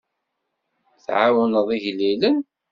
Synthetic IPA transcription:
θʕawənəðˤiʝlilən

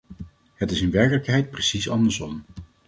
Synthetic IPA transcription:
hətɪsɪnʋɛɹkələkɦɛjt̚presisɑ̰ndəɹsɔm

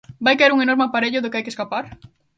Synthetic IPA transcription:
bajkaeɾuŋenoɾmɪapaɾeʎʊðʊkɪajkeskapaɾ

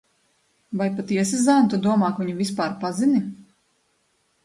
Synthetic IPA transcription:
vajpat̪iɛsazænt̪ud̪uɔmɑːkviɲuvʲispaːɾpazini

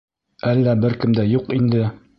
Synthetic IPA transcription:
ælːæbɘɾkɘ̆md̪æjuqind̪ɘ

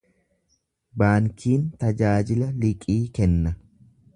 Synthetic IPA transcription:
baːŋkʰiːnt̪ɐd͡ʒaːd͡ʒɪlɐlɪkʼiːkɛnːɐ

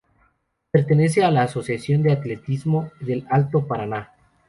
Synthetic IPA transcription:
pe̞ɾt̪ene̞s̬e̞alaːso̞sjasjo̞nd̪eat̪le̞t̪izmo̞ðelalt̪o̞paɾana

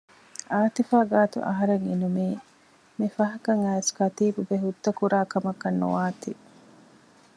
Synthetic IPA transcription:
aːt̪ifaːɡaːt̪ṵʔɐ̰ɦɐɾeŋinumiː | mifɐɦɐkɐŋæːskɐt̪iːbubeɦud̪ːɐkuɾaːkɐmɐkːɐnːṵʋaːt̪i

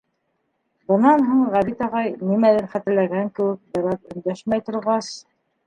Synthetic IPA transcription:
bɤ̆nɑnɦuɴʁæβit̪ɑʁɑjnimælɘɾχæt̪ɘ̆ɾlæɡæŋkɘ̆wɘk̚b̪ɘ̆ɾɑtɵ̆nd̪æʃmæjt̪ŏɾʁɑs

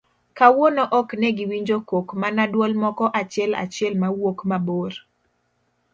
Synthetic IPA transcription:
kawonoʔɔknɛɡiwiɲd͡ʒokokmanadwɔlmɔkɔʔat͡ʃɪɛla̰t͡ʃɪɛlmawokmaboɾ

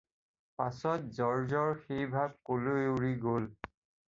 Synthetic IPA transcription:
pasɔt̚zɔɹzɔɹxejbʱab̚koloewɹiɡol

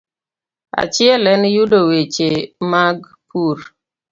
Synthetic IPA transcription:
a̰t͡ʃɪɛlɛnjudowet͡ʃemaɡ | pʰuɾ

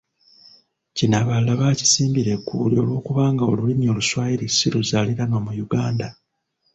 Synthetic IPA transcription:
cinaβalːaβaːci̥siːmbiɾe̞kːuːlio̞lwo̞ːkuβaːŋɡao̞̰lulimjo̞ːluswaːjiɾi̥siluzaliɾanoːmujuɡaːnda

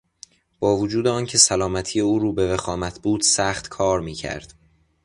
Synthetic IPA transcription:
b̥ɒːvod͡ʒuːd̪eɒːncʰe̞sælɒːmæt̪ʰijeuːɾuːbevexɒːmæt̪ʰbuːd̪̥sæːxt̪kʰɒːɾmiːcʰæ̰ɾd̪̥

